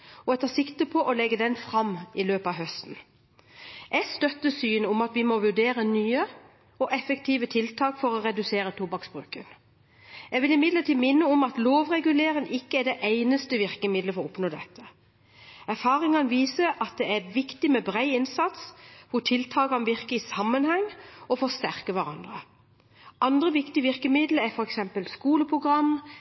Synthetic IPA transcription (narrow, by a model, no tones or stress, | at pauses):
ɔɛt̪ʰɑsɪkt̪əpʰɔʔɔlɛɡːəd̪ɛnfɾɑmɪløːpɑʋɦœst̪n̩ | ʔɛɡst̪œt̪ːəsyːnəʊmɑt̪ʋɪmɔʋʉɖeːɾənyːə | ɔʔɛfəkt̪ʰiːʋət̪ʰɪlt̪ʰɑːkfɔɾɔɾɛd̪ʉseːɾət̪ʰʊbɑksbʁʉ̰ːkə̰n | ɛɡʋɪlɪmɪd̪ləʈiːmɪnːəʊmɑt̪loːʋʁɛɡʉleːɾəŋʔɪkːəæɖɛʔæɪnəst̪əʋɪʁkəmɪd̪ləfɔʁɔʊpnoːd̪ɛt̪ːə | æʁfɑːʁɪŋɑnʋiːsəʔɑt̪̚d̪ɛæʋɪkt̪ɪmɛbʁæɪɪnsɑt̪sʋʊʈ̪ʰɪlt̪ʰɑːɡɑnʋɪʁkəɪsɑmːənhɛŋɔfɔst̪æʁkəʋæʁɑ̰nd̪ʁə | ɑnd̪ʁəʋɪkt̪ɪəʋɪʁkəmɪd̪ləɛfɔɾɛksɛmpəlskuːləpʰʁʊɡʁɑm